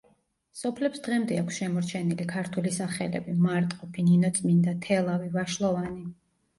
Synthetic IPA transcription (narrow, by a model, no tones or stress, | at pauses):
sɔpʰlɛpsd̪̥ʁɛmd̪ɛakʷʰsʃɛmɔɾt͡ʃʰɛnilikʰaɾt̪ʰulisaχɛ̰lɛ̰bimaɾt̪ʼqʼɔpʰininɔt̪sʼmind̪at̪ʰɛlˠavivaʃlˠɔvani